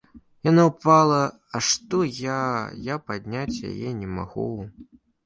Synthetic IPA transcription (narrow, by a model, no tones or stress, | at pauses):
janawpalˠɐ | ɐʂt̪ɔjajapad̪ʲnʲat͡sʲja̰jɛnʲɛma̰ɣu